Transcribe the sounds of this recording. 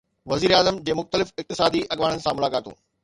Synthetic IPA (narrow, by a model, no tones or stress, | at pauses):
ʋɐziːɾaːzəmd͡ʑeːmʊxt̪əlɪfɪk̚t̪ɪsaːd̪iʔɐɠʋaːɽənɪ̆sãmʊlaːkaːt̪õ̰ː